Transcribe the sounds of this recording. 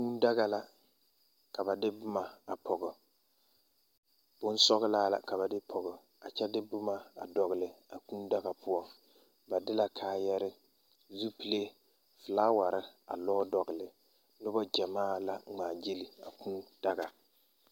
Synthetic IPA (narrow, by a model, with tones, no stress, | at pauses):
kuː˦n˦da˦ɣa˨la˨ | ka˨ba˨dɪ˦bʊ˦ma˨a˨pʰɔ˨ɡɪ˨ | b̥ʊ˦n˦sɔ˦ɣɪ˦laː˦la̰˨ka˨βa˨dɪ˦pʰɔ˨ɣɪ˨ | a˨t͡ʃɛ˦dɪ˦bʊ˦ma˨a˨dɔ˨ɣɪ˨lɪ˨a˨kũː˦da˦ɣa˨pʰʊ˦ɔ˦ŋ | ba˨dɪ˦la˨kʰaː˨jɛ˦ɾɪ˦ | zu˦pi˨le˦ | fɪ˨laː˦wa˨ɾɪ˦a̰˨lɔː˦dɔ˨ɣɪ˨lɪ˨ | nʊ˦bɔ˦d͡ʒa˨maː˦la˦ŋ͡maː˨d͡ʒe˦li˨a˨kũː˦d̥a˦ɡa˨